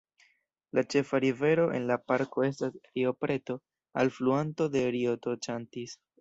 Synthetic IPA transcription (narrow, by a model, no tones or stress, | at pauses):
lat͡ʃe̞faɾive̞ɾo̞ʔe̞̰nlapaɾko̞e̞s̬tasɾio̞pɾe̞to̞ | a̰lfluanto̞de̞ɾioto̞t͡ʃantis